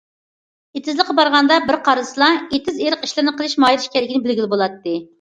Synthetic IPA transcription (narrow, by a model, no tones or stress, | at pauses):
et̪ʰɪzlˠɨqːɑbɑɾʁɑnd̪ɑbɪɾqʰɑɾsɨlˠɑet̪ʰɪzeɾəqi̥ʃlɪɾnɨqəlˠɪʃmɑjiɾɪʃkʲɛɾɪkʲnɪbɪlɡʲilɪbolˠɑt̪ːɨ